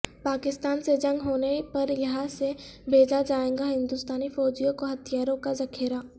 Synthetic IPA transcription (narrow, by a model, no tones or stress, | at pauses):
paːkɪst̪aːnsed͡ʒɐ̃ŋɡɦoːnepɐɾjɐɦãsebʱeːd͡ʒad͡ʒaːẽːɡaɦɪ̃nd̪ʊst̪aːnifɔːd͡ʒijõkoɦɐt̪ʰijaːɾõkazɐkʰɪɾa